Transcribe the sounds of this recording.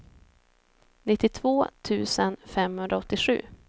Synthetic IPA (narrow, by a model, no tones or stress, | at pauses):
nɪt̪ːɪt̪ʰvoːt̪ʰʉ̟̰ːsənfɛmhɵnd̪ɾaɔt̪ːɪɧʉ̟̰ː